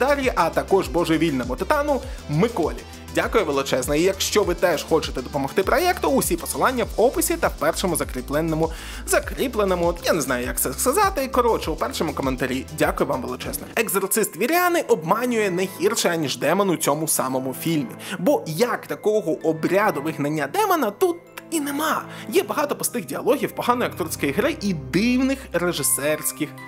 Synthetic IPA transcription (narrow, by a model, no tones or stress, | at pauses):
t̪aɾʲiʔɐt̪ɐkɔʒbɔʒʊʋʲilʲnɔmʊt̪ɪt̪ɑnʊmɪkɔlʲḭ | dʲakʊjɛʋelˠɪt͡ʃɛznɐijɐkʃt͡ʃɔʋɪt̪ɛʃxɔt͡ʃɪ̥t̪ɛd̪ɔpɔmɔxt̪ɪpɾɔjɛkt̪ʊːsʲipɔ̥sɨlˠɑnʲːɐwɔpɪsʲit̪ɐwpɛrʃɔmʊzɐkɾʲiplˠɛnːɔmʊ | zɐkɾʲiplˠenɔmʊjaneznɑjʊjɐk̚t̪sɛskɐzɑt̪ɪikɔɾɔt͡ʃɛupɛrʃɔmʊkɔment̪ɐɾʲidʲakʊjʊʋɑmʋelˠɪt͡ʃɛznɔ̰eɡzɔrt̪sɪst̪ʋʲiɾʲanɪʔɔbmɑnʲʊjɛnɛɦʲirʃɛanʲiʒd̪ɛmɔnʊt͡sʲɔmʊsɑmɔmʊfʲilʲmʲibɔjɐkt̪ɐkɔɦɔʔɔbɾʲad̪ʊʋɪɦnɐnʲːɐd̪ɛmɔnɐt̪ut̪̚inemɑjɛbɐɦɑt̪ɔpɔst̪ɪɣdʲiɐlˠɔɦʲiwpɔɦɑnɔjɐkt̪ɔrsʲkɔjiɣɾɪʔid̪ɪwnɪxreʒɪsɛrsʲkɪx